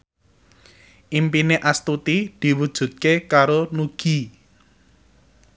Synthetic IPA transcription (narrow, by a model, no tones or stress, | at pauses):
ʔimpineʔast̪ut̪id̪̥i̤wud̥ʒ̥ṳt̪̚kekaɾonuɡ̥i̤